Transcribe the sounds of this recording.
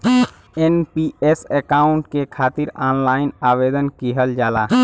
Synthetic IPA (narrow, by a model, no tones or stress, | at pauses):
enpiesekaːʊ̃ɳʈkekʰaːt̪iɾaːnlaːɪnaːʋeːd̪ənkiɦəld͡ʒaːla